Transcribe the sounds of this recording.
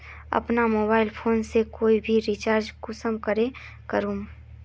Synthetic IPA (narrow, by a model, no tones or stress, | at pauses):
ɐ̰pnamoːbaːɪlpʰoːnsekoːibʱiɾit͡ʃaːɾd͡ʒkʊsəmkəɾe | kəɾũː